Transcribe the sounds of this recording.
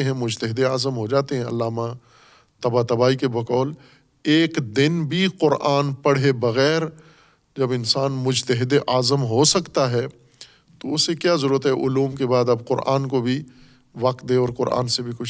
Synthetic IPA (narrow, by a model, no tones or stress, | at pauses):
ɦɛ̃mʊd͡ʒt̪əɦɪd̪eaːzəmɦod͡ʒaːt̪eɦɛ̃ɐ̰lːaːma | t̪ɐbat̪ɐbaːikebɐkɔːl | eːkd̪ɪnbʱiqʊɾʔaːnpɐɽ̤ebɐɣɛːɾ | d͡ʒɐbɪnsaːnmʊd͡ʒt̪əɦɪd̪eʔaːzəmɦosɐkt̪aɦɛ | t̪oʊsːekjaːzɐɾuːɾət̪ɦɛʔʊluːmkebaːd̪ɐbqʊɾa̰ːnkobʱi | ʋɐq̚t̪̚d̪eɔːɾqʊɾʔa̰ːnsebʱikʊt͡ʃʰ